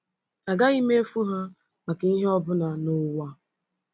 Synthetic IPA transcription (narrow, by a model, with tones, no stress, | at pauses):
a˨ɡa˦i˦me˦e˦fu˦ɦa˦ | ma˨ka˨i˦ɦe˦ɔ˦bʊ˦na˨nʊ˦wa˦